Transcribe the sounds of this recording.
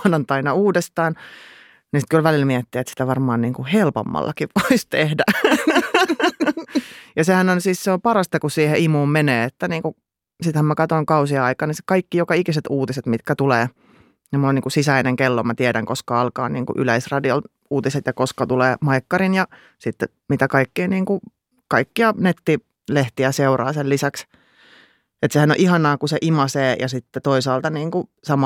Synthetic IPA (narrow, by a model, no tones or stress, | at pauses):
nɑnt̪ɑinɑuːdest̪ɑːn | nisit̪kylʋælilmiɛt̪ːiet̪si̥t̪æʋɑrmɑːnniːŋkuhelpo̰mːɑ̰lːɑkiʋʋoist̪ehdæ | jɑsehænonsiːsseopɑrɑst̪ɑkusiːheimuːmmeneːet̪ːæniːŋku | sit̪hæmmækɑt̪oiŋkɑusiɑɑikɑnisi̥kɑikːijokɑikiset̪uːt̪iset̪mit̪kæt̪uleː | nimuoniːŋkusisæineŋkelːomæt̪iɛɾæŋkoskɑɑlkɑ̰ːnnḭːŋkṵʔyleisrɑdiol | uːt̪iset̪jɑkoskɑt̪uleːmɑikːɑrinjɑ | sit̪ːe | mit̪ækɑikːiːniːŋku | kɑikːiɑnet̪ːi | leht̪iæseurɑ̰ːselisæks | et̪sehæno̰ʔihɑnɑːkuseʔimɑseːjɑsit̪ːet̪oisɑːlt̪ɑniːŋkusɑmɑ